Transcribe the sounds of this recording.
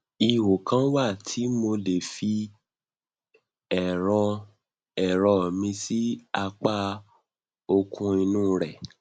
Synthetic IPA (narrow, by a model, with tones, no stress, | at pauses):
i˧wo˨kã˨˦wa˦˨tʰi˨˦mo˧le˨fi˧ | ɛ˨ɾɔ˧ | ɛ˨ɾɔ˧˨mĩ˧si˦a˧k͡pa˦ | o˧kʰũ˧i˧nũː˦ɾɛ˨